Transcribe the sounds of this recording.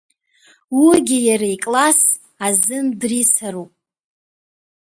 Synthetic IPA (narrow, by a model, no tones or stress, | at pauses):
wiɡʲɪjaɾaikʼlas | azɨndrisaɾupʼ